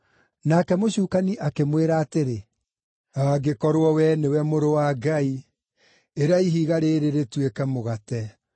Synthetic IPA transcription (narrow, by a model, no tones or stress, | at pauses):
nakɛmoɕuːkaniʔakemweɾaːteɾe | aɡekɔɾwɔwɛnewɛmoɾowaɡai | eɾaiɦiɣaɾeɾeɾetwekɛmoɣatɛ